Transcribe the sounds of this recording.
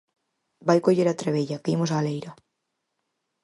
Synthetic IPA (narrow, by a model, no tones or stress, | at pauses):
bajkoʎeɾat̪ɾeβ̞eʎakimos̬aːlejɾa